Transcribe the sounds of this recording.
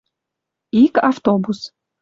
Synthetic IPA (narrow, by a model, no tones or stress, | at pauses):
ikaft̪obus